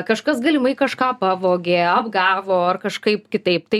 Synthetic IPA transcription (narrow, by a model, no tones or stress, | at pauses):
kɐʃkɐsɡɐlʲɪmɐɪkɐʃkɑːpɑːʋoːɡʲeːɐbɡɑːʋoːɐrkɐʃkɐɪpkʲɪt̪ɐɪpt̪ɐɪ